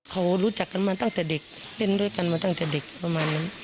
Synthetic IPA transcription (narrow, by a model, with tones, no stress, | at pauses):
kʰa˧˩wɾuː˦˥t͡ɕa˨˩kːa˧˨nmaː˧t̪a˧˨ŋt̪ɛː˨˩de˨˩k̚le˧˩˨ndu˥˩˨jka˧˨nmaː˧t̪a˧˩ŋt̪ɛː˨˩de˨˩k̚pa˧maː˧nːa˧˦n